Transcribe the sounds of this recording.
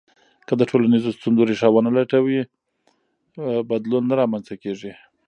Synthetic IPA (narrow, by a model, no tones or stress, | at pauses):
kəd̪əʈʰolanizost̪unzoɾeʂɑwanalaʈawi | bad̪lunːaɾɑmansakeʐi